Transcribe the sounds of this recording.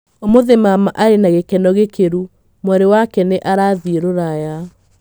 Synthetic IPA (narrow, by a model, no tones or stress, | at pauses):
omoðemamaʔaɾenaɣekɛnɔɣekeɾu | mwɛɾewakɛneʔaɾaðieɾoɾaja